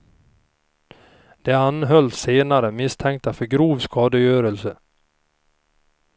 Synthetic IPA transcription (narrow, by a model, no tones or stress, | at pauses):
d̪̥ɛanɦœlseːnaɾəmɪst̪ʰɛŋk̚t̪afœɾɡɾuːvskɑːd̪əjøːɾəlsə